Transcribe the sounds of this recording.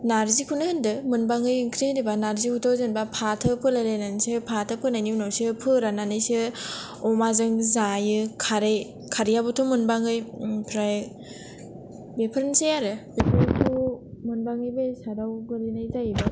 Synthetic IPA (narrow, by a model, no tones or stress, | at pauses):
naɾzikʰunɯhɯndɯmunbaŋɯjŋkʰɾenibanaɾzikʰutʰowzɯnbapʰatʰɯpʰɯlalajnansɯpʰatʰɯpʰɯnajninawsɯpʰɯɾananɯjsɯ | ɔmazɯŋzajɯkʰaɾej | kʰaɾijabutʰumunbaŋɯjpʰɾaj | bepʰɾɯnsejaɾɯbepʰɾtʰumunbaŋɯjbejsadawɡɯɾinajzajba